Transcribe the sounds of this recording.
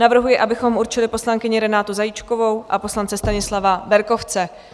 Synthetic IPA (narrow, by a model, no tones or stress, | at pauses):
navr̩ɦujɪʔabɪxo̞muɾt͡ʃɪlɪpo̞slaŋkɪɲɪɾɛnaːt̪uzajit͡ʃko̞vo̞wʔapo̞slant͡sɛst̪aɲɪslavabɛɾko̞ft͡sɛ